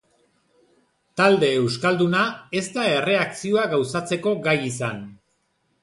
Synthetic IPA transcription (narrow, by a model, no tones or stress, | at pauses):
t̪ald̪e̞ːwskald̪unae̞st̪ae̞re̞aksioaɡawsat͡se̞ko̞ɡajisan